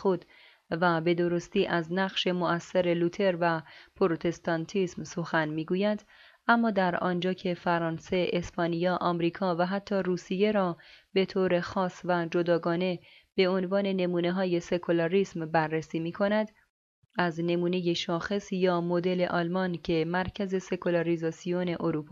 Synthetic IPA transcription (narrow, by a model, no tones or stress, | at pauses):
xod̪ | væbe̞d̪o̞ɾo̞st̪iːʔæznæɣʃe̞moæsːeɾe̞lut̪ʰe̞ɾvæpʰoɾot̪ʰe̞st̪ɒnt̪ʰiːsmso̞xænmiːɡuːjæd̪ | ʔæmːɒːd̪æɾɒːnd͡ʒɒːcʰe̞fæɾɒːnse̞ʔespʰɒːnijɒːʔɒːmɾiːkʰɒːvæɦæt̪ʰːɒːruːsije̞ɾɒːbe̞t̪ʰoːɾe̞xɒːsvæd͡ʒo̞d̪ɒːɡɒːne̞ | b̥e̞o̞nvɒːne̞ne̞muːne̞ɦɒːje̞se̞kʰolɒɾiːsmbærːesiːmiːkʰo̞næd̪ | æzne̞muːne̞je̞ʃɒːxe̞sjɒːmo̞d̪e̞le̞ʔɒːlmɒncʰe̞mæɾcʰæze̞se̞kʰolɑɾizɒːsione̞ʔoɾuːpʰː